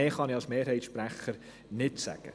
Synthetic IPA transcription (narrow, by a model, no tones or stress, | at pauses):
eːχɑniɑlsmeːɾɦɛɪtʃpɾæχəɾ | nɪtsæ̰ɡ̥ə̰